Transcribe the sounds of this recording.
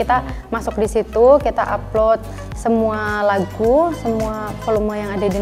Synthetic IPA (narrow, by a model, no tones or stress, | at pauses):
it̪a | masʊk̚disit̪ukit̪aʔaplot̪̚ | səmualaɡusəmuafolumajaŋadadi